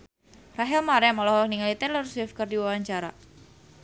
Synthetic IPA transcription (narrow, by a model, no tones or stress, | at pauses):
raɦɛlmaɾɛmalɔhɔk̚niŋalit̪ɛnlaɾuswefkərdiwawaɲt͡ʃaɾa̰